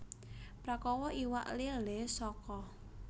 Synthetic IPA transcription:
pɾakɔwɔʔiwa̰ʔlilesɔkɔ

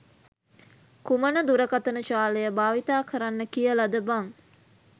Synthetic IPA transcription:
kumənəd̪uɾəkat̪ənət͡ʃaːlejəbaːʋit̪aːkəɾanːəkijəlad̪əbaŋ

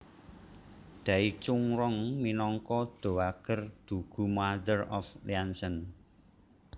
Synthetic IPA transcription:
d̪̥ä̤it͡ʃuŋɾɔŋminɔŋkɔd̪̥o̤aɡ̥ərd̪̥ṳɡ̥ṳmaðərɔfliansən

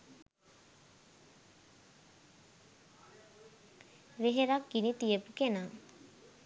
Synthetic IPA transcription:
ʋeɦeɾakːinit̪ijəpukena

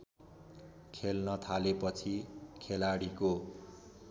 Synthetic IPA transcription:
kʰelnʌt̪ʰalepʌt͡sʰikʰelaɽiko

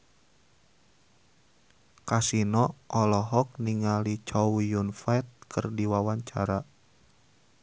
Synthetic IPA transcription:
kasinɔʔɔlɔɦɔk̚niŋalit͡ʃɔwjunfajt̪̚kʰə̰rdiwawaɲt͡ʃa̰ɾa

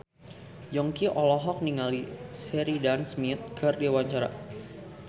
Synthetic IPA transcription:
jɔŋkiʔɔlɔɦɔk̚niŋalisɛɾidansmit̪̚kɨrdewaɲt͡ʃaɾa̰

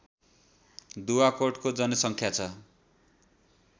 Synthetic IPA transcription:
d̪uwakoʈkod͡zʌnʌsʌŋkʰjat͡sʰʌ

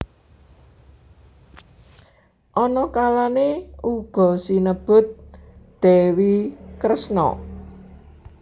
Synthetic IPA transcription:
ʔɔnɔkalaneuɡ̥ɔ̤sinəb̥ʊ̤t̪̚d̪̥ɛ̤wikɾəsnɔ̰

